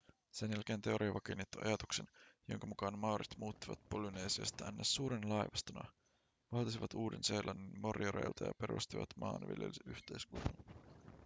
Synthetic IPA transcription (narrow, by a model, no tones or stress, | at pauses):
senjælk̟e̞ːnt̪e̞o̞ɾʔiɑʋɑkenːit̪ːuɑ̰jɑt̪ukse̞njo̞̰ŋkɑmukɑːnmɑwɾit̪muːt̪ːiʋɑt̪̚polune̞ːsiɑ̰st̪ɑænːesːuːɾenlɑjʋɑst̪onɑ̰ | ʋɑlt̪isiʋɑt̪uːde̞nsejlʔɑnːnmorjoɾḛjlt̪ʰɑjɑ̰pe̞ɾʔṵst̪iʋɑt̪mʔɑ̰ːnʋḭljeliʔyht̪e̞jskut̪un